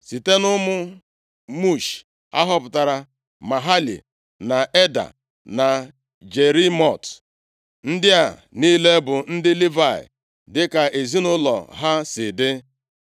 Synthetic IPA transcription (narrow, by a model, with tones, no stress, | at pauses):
si˨te˦nʊ˦mʊ˦ | mu˦˨ʃ | a̰˦ɦɔ˦pʊ˨ta˨ɾa˨ | ma˨ɦa˦lḭ˨ | na˨ʔe˦da̰˨ | na˨ | d͡ʒe˨ɾi˦mɔ˦˨t | n̩˦dɪ˦a˨ni˦le˦bʊ˨n̩˦dɪ˦li˦va˨ɪ̰˨ | dɪ˦ka˨ʔe˨zi˦nʊ˦lɔ̰˨ɦa˦sɪ˨dɪ˦